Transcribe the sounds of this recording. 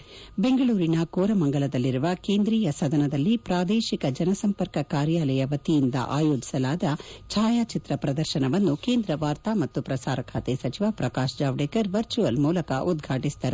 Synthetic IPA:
be̞ŋɡɐɭuːɾinɐkoːɾɐmɐŋɡɐɭɐd̪ɐlːiɾuʋɐkeːnd̪ɾiːjɐsɐd̪ʱɐnɐd̪ɐlːipɾaːd̪eːʃikɐd͡ʒɐnɐsɐmpɐɾkɐkaːɾjaːlɐjɐʋɐt̪ijind̪ɐ̰ʔaːjo̞ːd͡ʒi̥sɐlaːd̪ɐt͡ʃʰaːjaːt͡ʃit̪ɾɐpɾɐd̪ɐɾʃɐnɐʋɐnːukeːnd̪ɾɐʋaːɾt̪aːmɐt̪ːupɾɐsaːɾɐkʰaːt̪esɐt͡ʃiʋapɾɐkaːʃd͡ʒaːʋɖeːkɐɾʋɐɾt͡ʃuʋɐlmuːlɐkɐ̰ʔud̪ɡʱaːʈisd̪ɐɾu

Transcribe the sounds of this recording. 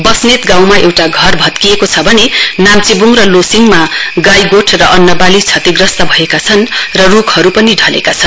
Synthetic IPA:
bʌsnet̪ɡãw̃maʔewʈaɡʱʌrbʱʌt̪kijekot͡sʰʌbʱʌnenamt͡sibuŋrʌlosiŋmaɡajɡoʈʰrʌʔʌnːʌpalit͡sʰʌt̪iɡrʌst̪ʌbʱʌekat͡sʰʌnrʌrukʰhʌɾupʌniɖʱʌlḛkat͡sʰʌn

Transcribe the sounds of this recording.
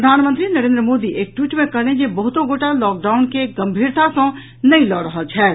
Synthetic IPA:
ɾəd̪ʱaːnmə̃nt̪ɾinɐɾẽːnd̪ɾəmoːd̪iʔeːk̚ʈwiːʈmẽkəɾẽd͡ʒebəɦʊt̪õɡoːʈalɔːk̚ɖaːwnkeɡɐmbʱiːɾt̪ʰasɔ̃ | nɐĩlɔːɾəɦəlt͡ʃʰɛː

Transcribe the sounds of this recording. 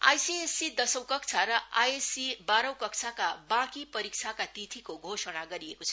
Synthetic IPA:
a̰jsiesid̪ʌsʌw̃kʌkt͡sʰaɾʌajesibaɾʌw̃kʌkt͡sʰakabãkipʌɾik̚t͡sʰakat̪it̪ʰikoɡʱosʌɽ̃aɡʌɾiekot͡sʰʌ

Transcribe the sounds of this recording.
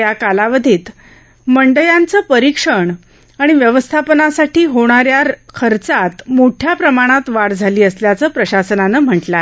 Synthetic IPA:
jakalaʋəd̪ʱiːt̪ | məɳɖəjant͡səːpəɾikʂəɳ | aɽ̃iʋjəʋəst̪ʰapənasaʈiːɦoɽ̃aɾjaɾkʰəɾt͡sat̪moʈʰjapɾəmaɽ̃at̪ʋaɽd͡zʱaliːəsljat͡səːpɾəɕasənanəːm̤əʈla

